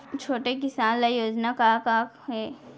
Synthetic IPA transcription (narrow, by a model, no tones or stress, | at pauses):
t͡ʃʰoːʈek̬ɪsaːnlajoːd͡ʒnakaːkaːk | ɦeː